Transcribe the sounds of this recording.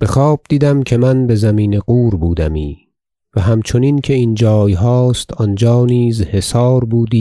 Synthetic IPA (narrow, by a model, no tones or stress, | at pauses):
b̥e̞xɒːb̥̚d̪iːd̪æmcʰe̞mænbe̞zæmiːne̞ɢuːɾbuːd̪æ̰miː | væɦæmt͡ʃʰo̞nincʰe̞ind͡ʒɒːjɦɒːst̪ʰɒnd͡ʒɒːniːzhe̞sɒːɾbuːd̪iː